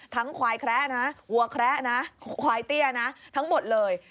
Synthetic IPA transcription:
t̪ʰa˦˥ŋkʰwaː˧jkʰɾɛ˦˥ʔna˦˥wu˧ɐkʰɾɛ˦˥na˦˥kʰwaː˧jt̪i˥˩ɐəna˦˥t̪ʰa˦˥ŋmo˨˩t̪̚lɤː˧j

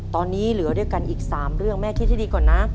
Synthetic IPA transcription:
t̪ɔː˧nːiː˦˥lɯ˩˦ədu˥˩jka˧nʔiː˨˩k̚saː˩˦mɾɯ˥˩əŋmɛː˥˩t̪ʰiː˥˩t͡ɕa˥˩diː˧kɔː˨˩nːa˦˥

